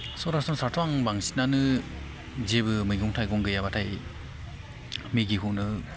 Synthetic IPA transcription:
sɔɾasɔnsaɾtʰɔaŋbaŋsi̥tnanɯ | zebɯmɯjɡɔŋtʰajɡɔŋɡɯjabatʰaj | miɡikʰuʔnɯ

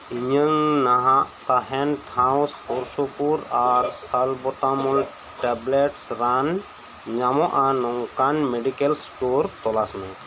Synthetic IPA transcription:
iɲəŋnaɦaʔt̪aɦɛnʈʰãw̃spɔɾsɔpuɾaɾsalbɔt̪amɔl | ʈɛblɛʈsɾan | ɲamɔʔanɔŋkanmeɖikɛlsʈoɾt̪ɔlasnɛ

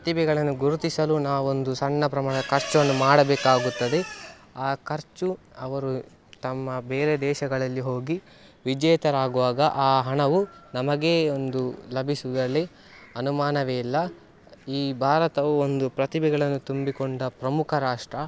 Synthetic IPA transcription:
pɾɐt̪ibɛɡɐɭɐnːuɡuɾut̪isɐlunaːʋuond̪usɐɳːɐpɾɐmaːɳɐkɐɾt͡ʃʋɐnːumaːɽɐbɛːkaːɡut̪ːɐd̪e̞ | aːkɐɾt͡ʃu | ɐʋɐɾu | t̪ɐmːɐbeːɾed̪ɛːʃɐɡɐɭɐlːiɦo̞ːɡi | ʋid͡ʒɛːt̪ɐɾaːɡuʋaːɡɐʔaːɦɐɳɐʋunɐmɐɡe̞ːond̪ulɐbʱisud̪ɐlːi | ɐnumaːnɐʋeilːɐ | iːbʱaːɾɐt̪ɐʋuond̪upɾɐt̪ibɛɡɐɭɐnːut̪umbikoɳɖɐpɾɐmukʰɐɾaːʂʈɾɐ

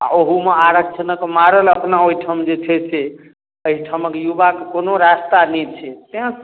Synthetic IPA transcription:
a̰oɦumeaɾək̚t͡ʃʰənəkmaɾələpnaoiʈʰamd͡ʒet͡ʃʰɛsʰe | əɦiʈʰaməkejubakekonoɾast̪anɛt͡ʃʰɛt̪eɦã

